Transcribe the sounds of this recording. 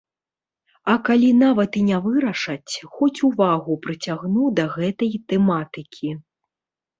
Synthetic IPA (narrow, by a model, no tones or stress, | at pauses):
ɐkalʲin̪avɐt̪inʲavɨɾɐʂɐt͡sʲxɔt͡sʲuvaɣupɾɨt͡sʲaɣnud̪ɐɣɛt̪ɐjt̪ɛmat̪ɨkʲʰi